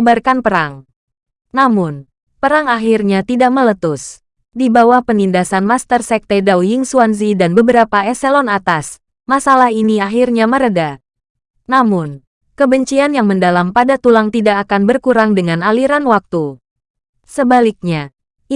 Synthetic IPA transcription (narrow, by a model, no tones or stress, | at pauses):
barkanpəɾaŋ | namʊn | pəɾaŋaɦirɲat̪idaʔ̚mələt̪ʊs | dibawahpənindasanmast̪ərsɛk̚t̪edawjiŋsuanz̬idanbəbəɾapaɛsɛlɔnat̪as | masalaɦiniaɦirɲaməɾəda | namʊn | kəbəɲt͡ʃianjaŋməndalampadat̪ulaŋt̪idaʔːkanbərkuɾaŋdəŋanaliɾanwak̚t̪u | səbalik̚ɲa